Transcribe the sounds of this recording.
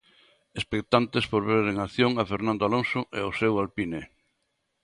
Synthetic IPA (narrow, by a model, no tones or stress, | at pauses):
espek̚t̪ant̪espoɾβeɾeŋaθjoŋafeɾnãnd̪oaloŋsʊʔɛosewalpine